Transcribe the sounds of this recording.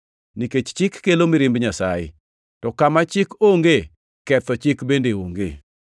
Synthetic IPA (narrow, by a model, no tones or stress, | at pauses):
niket͡ʃt͡ʃɪkːelomiɾɪmbɲasajɪ̰ | tɔkamat͡ʃɪkoŋɡe | kɛt̪ɔt͡ʃɪkbendeoŋɡḛ